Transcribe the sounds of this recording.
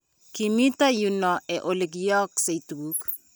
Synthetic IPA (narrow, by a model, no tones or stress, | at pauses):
kimitajunɔɛʔoleɡjɔksejtwuk